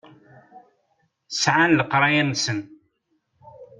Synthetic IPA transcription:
sʕanləqɾˤɑjænsən

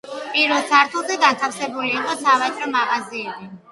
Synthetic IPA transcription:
pʼiɾvɛlˠsʰaɾt̪ʰulˠzɛɡant̪ʰafsɛbuliːqʼɔsʰavɛt̪ʰʼɾɔmaʁaziɛbi

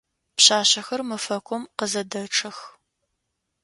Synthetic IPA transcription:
pɕaːɕɐxɐrmɨfɐkʷʼɔmqəzɐdɐʈ͡ʂʰʼɐx

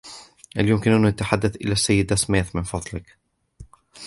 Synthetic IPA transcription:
ha̰ljʊmkɪnʔannat̪aħad̪ːaθʔɪ̰laːsːajːɪd̪asmeːθmɪnfɑðˤlɪk

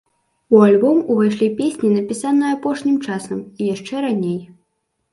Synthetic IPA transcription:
ualʲbɔmuvajʂlʲipʲesʲnʲinɐpʲisanɨjapɔʂnʲimt͡ʂasɐmijaʂt͡ʂɛɾanʲej

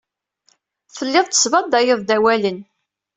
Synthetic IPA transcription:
θəlːɪðˤt̪ːə̥svɑd̪æjɪðˤd̪æwælən

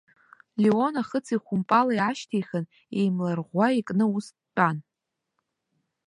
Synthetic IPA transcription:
lio̞naχət͡sʰiχʷʊmpʼalajaʃtʰejχən | ḛjmlarʁʷaikʼnɨusːʷʼan

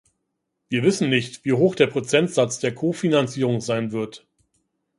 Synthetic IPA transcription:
viːɐvɪsn̩nɪçtv̥iːɦoːxd̥eːɐpʁ̥ot͡sɛntz̥at͡sd̥eːɐkʰoːfinant͡siːʁ̞ʊŋzaɪnvɪɐt

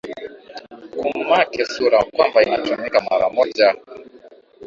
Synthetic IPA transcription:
kummakɛsuɾakwambainat͡ʃamɛkamwaɾa̰mɔd͡ʒa

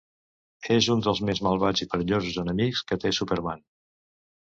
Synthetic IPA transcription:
ezund̪əlˠzmezməlˠβad͡zipəɾəʎozuzənəmikskət̪esupəɾman

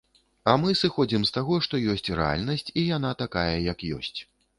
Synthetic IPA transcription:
ɐmɨsɨxɔd͡zʲimst̪aɣɔʂt̪ɔjɔsʲt͡sʲrɛ̰a̰lʲnɐsʲt͡sʲijan̪at̪akajɐjɐkjɔ̰sʲt͡sʲ

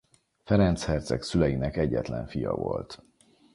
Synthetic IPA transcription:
fɛɾɛnt̪shɛrt̪sɛksylɛjinɛkɛɟːɛt̪lɛɱfijɒvolt̪

